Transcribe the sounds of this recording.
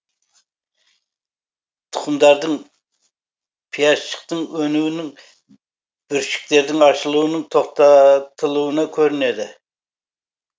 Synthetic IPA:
t̪ʰʊ̥χʊmd̪ɑɾd̪ɨŋ | pʰijɑt͡ʃʰːə̥qt̪ɨŋønywnɪŋ | b̥yɾʃi̥k̚ʲleɾd̪ɪŋɑʃɨlˠuwnɨŋt̪ʰoχt̪ʰɑt̪ʰɨlˠuwɨnɨkʲʰøɾynɪd̪ɪ

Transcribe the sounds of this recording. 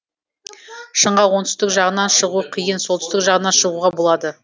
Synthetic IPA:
ʃəɴʁɑwo̞nt̪ʏst̪ɪkʒɑʁənɑnʃəʁuqʰijənso̞lt̪ʏ̥st̪ɪkʒɑʁənɑnʃəʁuʁɑbo̞lˠɑd̪ə

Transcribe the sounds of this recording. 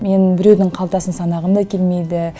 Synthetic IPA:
me̞nbɪɾe̞wd̪ɪɴqʰɑlˠt̪ɑsənsɑnɑʁəmd̪ɑkʲʰelme̞jd̪ɪ

